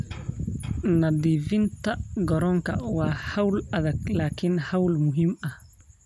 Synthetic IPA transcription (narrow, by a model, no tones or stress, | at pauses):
nad̪ivintaɡɔɾɔŋka̰wahawlaðaklakinhawlmuɦima